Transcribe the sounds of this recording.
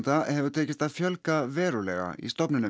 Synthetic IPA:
nt̪ahɛvʏt̪ʰɛːcɪst̪avfjœlkavɛːɾʏlɛ̰ɣa̰ḭst̪ɔpnɪnʏ

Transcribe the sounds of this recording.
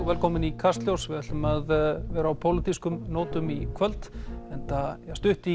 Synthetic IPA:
vɛlkʰɔːmɪnikʰast̪ljowsvɪðɛt̪ʏmaðvɛːɾaːwpʰowlɪt̪iskʏmnoːwt̪ʏmikʰvœlt̪ɛnt̪ast̪ʏht̪i

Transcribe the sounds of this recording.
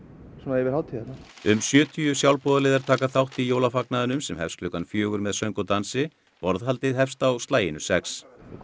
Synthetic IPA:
sɔmaɛvɪɾhawt̪ʰɪɛt̪na | ʏmsjœːt̪ʰiʏsjawlpɔːðaleːðaɾ̥t̪ʰaːkaθawht̪ijoːwlafaknaðɪnʏmsɛmhɛfsklʏkanfjœːɣʏɾmɛðsœɥŋkɔt̪ansɪ | pɔɾðɦalt̪ɪðɦɛfst̪aːwst̪laːjɪnʏ̥sɛks

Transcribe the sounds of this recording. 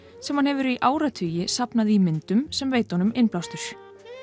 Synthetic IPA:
sɛmhanhɛvʏɾiʔaːwɾat̪ʰʏːjɪsapnaðimɪnt̪ʏmsɛmveːjt̪hɔnʏmɪnplawst̪ʏɾ̥

